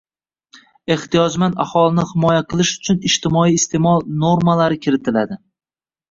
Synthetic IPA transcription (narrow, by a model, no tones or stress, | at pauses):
e̞ht̪ʰijɒd͡ʒmanahɒlɪnɪhɪmɒjaqʰɨlˠɪʃʊ̥t͡ʃʰʊnɪʃt̪ɪmɒiːst̪ʰe̞mɒlˠno̞ɾmalaɾɪkʲʰɪɾɪt̪ʰɪlad̪ɪ